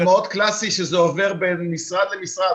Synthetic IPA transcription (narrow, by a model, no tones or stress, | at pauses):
maot̪klasiʃezeove̞ʁbenmisʁad̪lemisʁad